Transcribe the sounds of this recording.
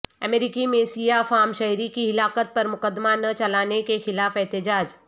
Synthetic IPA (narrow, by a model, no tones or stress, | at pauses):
ɐmeɾikimẽsijafaːmʃɐɦɾikiɦɪlaːkət̪̚pɐɾmʊkəd̪ːmanɐt͡ʃɐlaːnekexɪlaːfɛɦt̪ɪd͡ʒaːd͡ʒ